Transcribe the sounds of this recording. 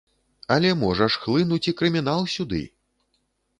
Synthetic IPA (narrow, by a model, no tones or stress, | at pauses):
ɐlʲɛmɔʐɐʂxlˠɨnut͡sʲikɾɨmʲin̪alˠsʲud̪ɨ̰